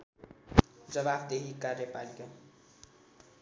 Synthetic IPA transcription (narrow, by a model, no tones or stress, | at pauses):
d͡zʌβabd̪eɦikarjepalika